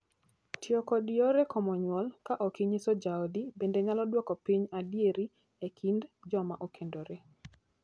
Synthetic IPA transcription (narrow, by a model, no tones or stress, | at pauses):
tʰjɔkɔdiɔɾekɔmɔɲwɔlkaʔɔkiɲesod͡ʒaodibendeɲalɔdwɔkɔpiɲadjeɾi | ekʰindd͡ʒɔmaʔokʰendoɾe